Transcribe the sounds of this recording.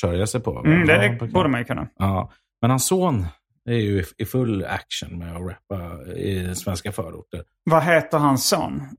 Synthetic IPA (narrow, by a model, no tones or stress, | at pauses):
œɾjasɛjpʰɔ̰m̩d̪ɛbuːd̪əmanjɵkɵnːa̰ɑː | mɛnhansːoːn | æɾjɵɪfɵlːæ̰kʂə̰nmɛɔɾɛpːaɪ̰dɛnsvɛnskafœːɾʊ̰ʈːəɾ | vaɦeːt̪əɾɦanso̰ːn